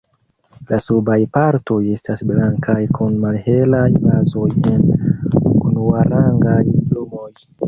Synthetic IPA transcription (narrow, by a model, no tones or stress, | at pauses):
lasubajpaɾto̞je̞stasblaŋkʰajkʰunmalhe̞lajbazo̞je̞n | unuaɾaŋɡajiblomo̞j